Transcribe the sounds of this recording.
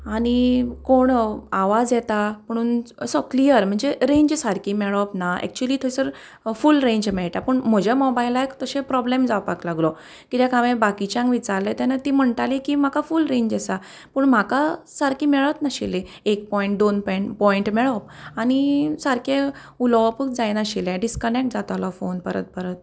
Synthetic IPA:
aɽ̃ikoɳaʋad͡zjɛt̪am̤əɽ̃uːnəsəklijəɾm̤əɳd͡zeɾẽɲd͡ʑsaɾkimɛɭɔpnaɛ̰k̚t͡ɕuəliːt̪ʰoisəɾ | fulɾẽɲd͡ʑmɛɭʈ̪apəɳm̤əd͡ʑamɔbajlajkt̪əɕẽpɾɔblemd͡zawpaklaɡlɔ | kit̪jekaʋẽbakit͡ɕãŋkʋit͡ɕaɾlet̪anat̪iːm̤əɳʈ̪alikiːm̤akafulɾẽɲd͡ʑasa | pəːɳm̤aka | saɾkimɛɭət̪naɕḭle | ek̚pɔiɳʈ̚d̪onpɔjɳpɔiɳʈmɛɭɔp̚añisaɾke | ulɔʋpək̚d͡zajnaɕilɛ̃ɖiskənek̚ʈ̚d͡zat̪alɔfonpəɾə̰t̪̚pəɾət̪̚

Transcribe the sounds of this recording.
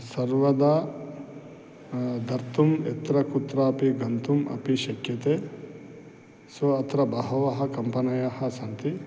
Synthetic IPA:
sɐɾʋɐd̪ɐ | d̪ʱɐɾt̪umḛt̪ɾɐkut̪ɾɐːpiɡʱɐnt̪umɐ̰piʃɐkjɐt̪e | sɐɐt̪ɾɐbɐɦɐʋɐɦɐkɐmpɐnɐjɐhɐsɐnt̪i

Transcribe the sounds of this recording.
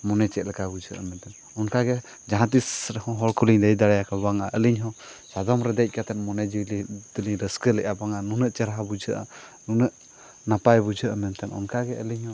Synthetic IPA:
mɔnɛt͡ʃɛt̪̚lɛkabud͡ʒʱəʔamɛnt̪ɛn | ɔnkaɡɛ | d͡ʒaɦãt̪̬isɾɛhɔ̃ɦɔlkʰuliɲd̪əjd̪aɽajakʰabaŋaʔəliɲɦɔ̃ | sad̪ɔmɾɛd̪ɛjc̚ˀkat̪ɛnmɔnɛd͡ʒilit̪uliŋɾəskəlɛʔabaŋanunəʔt͡ʃəɾaɦabud͡ʒʱəʔa̰ | nunəʔ | napajbud͡ʒʱəʔamɛnt̪ɛnɔ̰nkaɡɛəliɲhɔ̃

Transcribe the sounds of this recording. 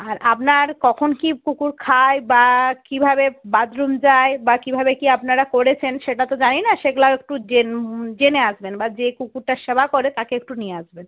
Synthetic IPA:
aɾap̚naɾkɔkʰonkikukuɾkʰaebakibʱabebad̪ɾumd͡ʑaebakibʱabekiapnaɾakoɾet͡ɕʰenʃeʈat̪od͡ʑaninaʃeɡlaek̚ʈud͡ʑend͡ʑeneaʃbenbad͡ʑekukuɾʈaʃebakɔɾet̪akeek̚ʈunijeaʃben

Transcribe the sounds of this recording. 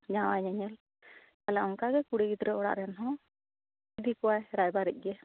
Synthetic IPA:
ɲawajɲɛɲɛl | kalɛaŋkaɡɛkuɽiɡid̪ɾɛɔɽa̰ʔɾɛnɦɔ̃ | id̪ʱikuwajɾajbaɾɛ̰c̚ˀɡɛ

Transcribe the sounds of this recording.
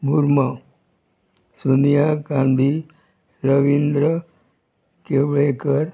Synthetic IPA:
bʱuɾma | sunijaɡãnd̪ʱi | ɾəʋind̪ɾə | keʋɭekəɾ

